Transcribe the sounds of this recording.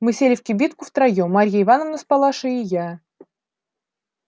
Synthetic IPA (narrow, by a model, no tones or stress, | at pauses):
mɨsʲelʲɪfʲkʲɪbʲit̪kʊft̪ɾajomaɾʲjaɪvanəvnəspalˠaʂɨɪja